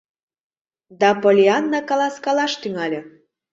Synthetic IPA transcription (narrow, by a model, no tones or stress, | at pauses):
d̪ɑpolʲiɑnːɑkɑlɑskɑlɑʃt̪yŋɑlʲĕ